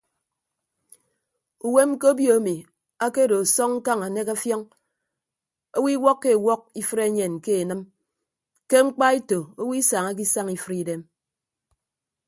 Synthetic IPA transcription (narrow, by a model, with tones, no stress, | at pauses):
u˨we˦m˦ko˦bjo˨a˦mi˨ | a˦ke˦do˨a˨sɔ˦ŋŋ̩˦ka˦ŋa˨ne˦ka˦fjɔ˦ŋ | o˦wi˦wɔ˦kːe˦˨wɔ˦k̚i˦fɨ˦ɾe˦ɲe˨nke˦e˨nɨ˦m | ke˦ŋ͡m̩˦k͡pa˦e˦to˨o˦wi˦sa˨ŋa˦k̬i˦sa˦ŋi˦fɨ˦ɾi˦de˦m